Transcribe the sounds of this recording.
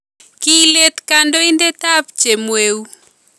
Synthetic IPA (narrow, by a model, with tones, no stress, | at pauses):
kile˦t̪kandɔ˦indɛ˦ta˦p̚t͡ʃe˨mwe˦u˦